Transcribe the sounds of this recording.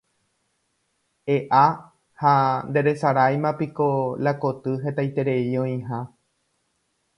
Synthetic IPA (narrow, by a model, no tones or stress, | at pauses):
eʔa | hand̪e̞ɾe̞saɾajmãpikolako̞t̪ɨɦe̞t̪ajt̪e̞ɾe̞iõĩɦã